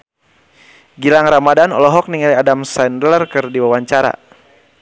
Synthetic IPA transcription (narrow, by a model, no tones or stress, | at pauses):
ɡilaŋramadanɔ̰lɔɦɔk̚niŋaliadamsandlərkɨrdiwawaɲt͡ʃaɾa̰